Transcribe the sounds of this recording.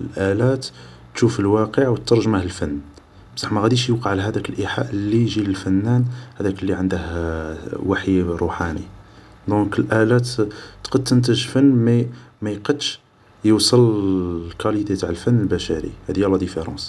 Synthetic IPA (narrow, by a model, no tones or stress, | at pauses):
lʔælæt̪ | ʃufəlwæqəʕwət̪ːɑɾˤʒəməhəlfənː | bsˤɑħmæɣæd̪iʃjəqɑʕlæɦæd̪ækəlʔiħa̰ʔlːijʒiləlfænːænhæd̪ækəlːiʕənd̪əh | waħjɾˤuħanḭ | d̪ɔ̃kəlʔælæt̪t̪qɑd̪̚t̪ːənt̪əʒfənːmæmæjqəd̪ʃ | jəwsˤəllkælit̪et̪aʕəlfənːəlbæʃæɾḭhæd̪jælæd̪ifeɾˤɑ̰̃s